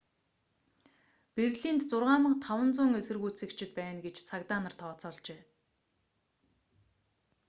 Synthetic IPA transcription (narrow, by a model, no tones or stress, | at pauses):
perɮint̪t͡sʊrʁaːmə̆χt̪ʰawə̆nt͡sʊːŋesɘ̆rɣuːt͡sɘ̆kt͡ɕʰɪ̆t̪̚pæːnɡet͡ɕt͡sʰakt̪aːnə̆r̥t̪ʰɔːt͡sɔːɮt͡ɕeː